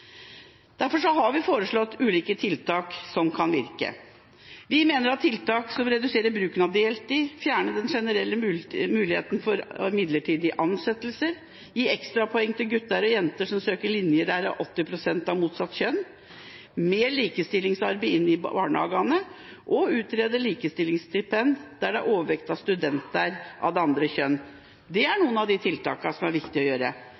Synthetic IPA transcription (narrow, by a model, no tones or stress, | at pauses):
d̪̥æɾfɔʂɔɦɑɾʋɪfoːɾəʂɭɔt̪ːʉːliːkət̪ʰɪlt̪ʰɑːksɔmkʰɑnʋɪ̰ɾkə̰ | ʋɪmeːnəɾɑt̪ʰːɪlt̪ɑːksɔmɾɛd̪ʉseːɾəɾbɾʉːknɑd̪ɪɛlt̪ɪfjæːɳəd̪ɛnʂɛnəɾɛlːəmʉːlɪhḛːt̪ənfɔɾɪmɪd̪ləʈʰiːd̪ɪʔɑnsɛt̪ːəlsəɾ | jiːɛkst̪ɾɑpʰɔɛŋːt̪ɪlɡʉt̪ːɑɾɔjɛnt̪əʂɔmsøːkəɭɪnjəɖæɾɑʔɔt̪ːɪpʰɾʊsɛnt̪ɑʋmuːt̪sɑt̪ːçœn | meːliːkəst̪ɪlːɪŋsɑɾbɛɪɪnːɪɑ̰ːɳəɑ̰ːɡɑnə | ʔɔʉːt̪ɾeːd̪əliːkəst̪ɪlːɪŋst̪ɪpʰɛnd̪d̪̥æɖɛæɾʔoːʋəʋɛkt̪ɑst̪ʉd̪ɛnt̪əɾʔɑ̰ʋd̪ɛɑnd̪ɾəɕçœnː | d̪ɛæɳuːənɑʋd̪ɪt̪ʰɪlt̪ɑ̰ːkɑsɔmæɾʋɪkt̪ɪɔjøːɾə̰